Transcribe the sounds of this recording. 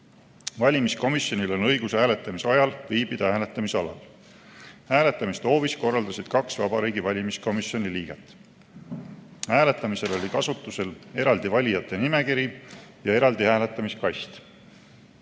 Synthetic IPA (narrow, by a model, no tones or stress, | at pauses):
vɑlʲimisko̞misjo̞nʲilo̞nɤjɡ̥ushæːle̞t̪ːˑɑmiseɑjɑlviːbid̪̥ɑhæːlet̪ːˑɑmiseɑlɑ̰l | hæːle̞t̪ːˑɑmist̪o̞ːvisko̞rːɑld̪̥ɑsid̪̥̚kɑksvɑb̥ɑɾiːɡivɑlʲimisko̞misjo̞nʲiliːɡ̥e̞t̪ː | hæːle̞t̪ːˑɑmise̞lo̞lʲikɑsut̪ːˑuse̞le̞ɾɑld̪ivɑlʲijɑt̪ˑːe̞nime̞kiɾijɑe̞ɾɑld̪ihæːle̞t̪ːˑɑmiskɑjst̪